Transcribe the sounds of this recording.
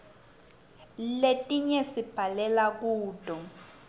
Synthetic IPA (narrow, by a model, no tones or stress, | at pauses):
letʼiɲɛsib̥ʱalɛlak̬uːtʼɔ